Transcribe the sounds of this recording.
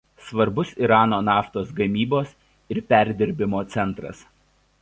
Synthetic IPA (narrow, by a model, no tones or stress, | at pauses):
sʋɐɾbʊsiɾɑːnoːnɑːft̪oːsɡɐmʲiːboːs | ɪɾpʲæˑɾʲd̪ʲɪɾʲbʲɪmoːt̪sʲɛnˑt̪ɾɐ̰s